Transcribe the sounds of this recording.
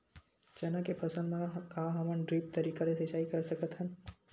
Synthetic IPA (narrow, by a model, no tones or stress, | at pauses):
d͡ʒɐnãkepʰɐsə̃lmẽkaːɦɐmənɖɾiːp̚t̪ɐɾiːkaleset͡ʃaːikɐɾsɐkət̪ɦən